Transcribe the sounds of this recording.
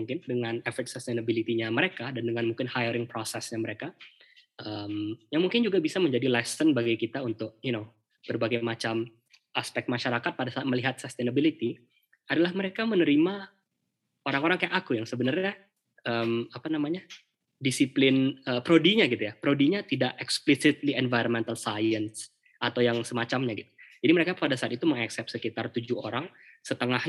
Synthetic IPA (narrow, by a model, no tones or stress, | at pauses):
uŋkɪndəŋanɛfət̪̚səst̪enabilit̪iɲaməɾekadandəŋanmuŋkɪnhajəɾɪŋpɾosɛsɲaməɾeka | ʔəmjaŋmuŋkɪnd͡ʒuɡabisaməɲd͡ʒadilasənbaɡajkit̪aunt̪ʊk̚juno | b̥ərbaɡajmat͡ʃam | ʔaspɛk̚t̪maʃaɾakat̪̚padasat̪̚məliɦat̪̚səst̪enabilit̪i | adalahməɾekamənəɾima | oɾaŋoɾaŋkajakakujaŋsəbənərɲa | əmapanamaɲa | disiplɪnəpɾodiɲaɡit̪ujapɾodiɲat̪idaʔɛksplisɪt̪̚liɛnvajɾonmɛnt̪alsajəns | ʔat̪awjaŋsəmat͡ʃamɲaɡit̪u̥d͡ʒadiməɾekapadasaːt̪it̪uməŋaksɛp̪̚səkit̪art̪ud͡ʒuo̰ɾaŋsət̪əŋahɲ